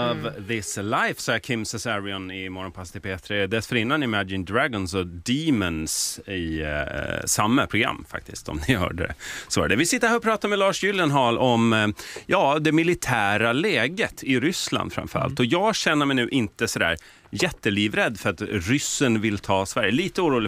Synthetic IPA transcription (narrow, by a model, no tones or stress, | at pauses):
ɔvðɪslaɪfsɑakʰɪmsɛsaɾɪɔnɪmɔɾɔnpʰast̪ʰɪpʰeːt̪ʰɾɛd̪ɛlsfœɾɪnːanɪmæd͡ʒɪnd̪ɾæɡɔnsɔd̪iːmənsɪ | samːəpʰɾʊɡɾa̰mːfa̰k̚t̪ɪst̪ɔ̰md̪ɪhœ̰ːɖəɛ̰sɔ̰ːɾɖ̪ɛvɪsɪt̪ːəɾhæːɾɔpʰɾɑːt̪amɛlɑːʂjʏljənɦɑlʔɔmjɑːd̪ɛmɪlɪt̪ʰæːɾalɛːɡət̪ʰɪɾʏsla̰nd̪fɾa̰mfœɾa̰lt̪ɔjɑːɡɕɛnːəɾmɛjnʉ̟ːʔɪnt̪əsɔd̪æ̰ːɾ | jɛt̪ːəliːvɾɛd̪ːfœɾat̪ɾʏsːənvɪlːt̪ʰɑːsvæɾjəliːt̪əuːɾuːlɪ